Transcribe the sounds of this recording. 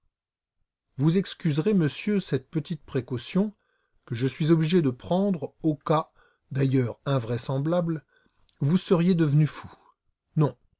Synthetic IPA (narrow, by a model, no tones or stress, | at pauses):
vuzɛkskʲyzʁeməsjøsɛt̪̚pət̪it̪̚pχekɔsjɔ̃ | kəʒəsɥizɔbliʒed̪əpχɑ̃d̪ʁoka | d̪ajœʁɛ̃vʁɛsɑ̃blabl | vusəʁjed̪əvnyfu | nɔ̃